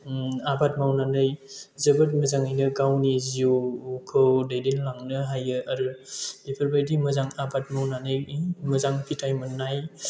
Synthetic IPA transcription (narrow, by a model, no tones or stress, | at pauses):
abat̚mawnanɯjzɯbɯt̚məzaŋajnɯɡawniziukʰɯwdajdenlaŋnɯɦajɯaɾɯdepʰəɾbajdimɐzaŋabat̚mawnanɯjmɐzaŋpʰitʰajmɯnːaj